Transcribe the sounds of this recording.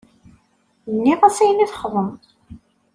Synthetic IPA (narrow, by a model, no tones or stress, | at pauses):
nːiʁæsæjəniθχðˤəm